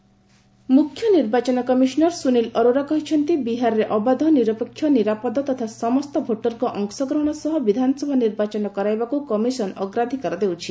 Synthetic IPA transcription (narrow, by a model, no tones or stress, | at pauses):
mukʰːjɔniɾbat͡ʃɔnɔkɔmisɔnɔɾsunilɔɾoɾakɔɦit͡ʃʰɔnt̪ibiɦaɾɔɾeʔɔbad̪ʱɔniɾɔpɔkʰːjɔniɾapɔd̪ɔt̪ɔt̪ʰasɔmɔst̪ɔbʱoʈɔɾkɔʔɔŋksɔɡɾɔɦɔɽ̃ɔsɔɦɔbid̪ʱanɔsɔbʱaniɾbat͡ʃɔnɔkɔɾajbakukɔmisɔnɔɡɾad̪ʱikɔɾɔd̪ewt͡ʃʰi